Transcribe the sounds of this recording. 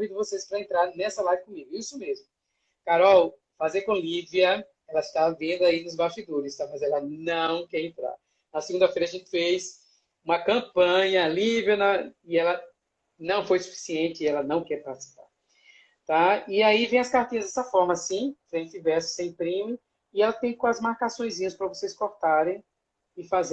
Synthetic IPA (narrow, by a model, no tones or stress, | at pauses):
vĩd̪ɪvosespɾɐẽnt̪ɾaɾnɛsɐlajvɪkõmiɡʊisʊmezmʊ | kaɾɔw | fazejkõliviɐ | ɛlɐɪst̪avɐvẽnd̪ʊainʊzbaʃt͡ʃid̪oɾɪst̪amɐzɛlɐnɐ̃w̃kɛɾẽnt̪ɾa̰ɾ | nɐseɡũd̪ɐfejɾɐaʒẽnt͡ʃ̪ɪ̥fez | ũmɐkɐ̃pɐ̃ɲɐlivɐnɐɪɛlɐ | nɐ̃w̃fojsu̥fi̥siẽnt͡ʃɪɪɛlɐnɐ̃w̃kɛɾpaɾt̪i̥si̥pa̰ɾ | t̪aɪaivẽj̃ɐskaɾt̪ĩɲɐzd̪ɛsɐfɔɾmɐsĩfɾẽtɪvɛɾsʊ̥sẽj̃pɾĩmʊ | ɪɛlɐt̪ẽj̃kõɐzmaɾkasõj̃zĩɲɐspɾɐvoseskoɾt̪aɾẽj̃ | ɪfaze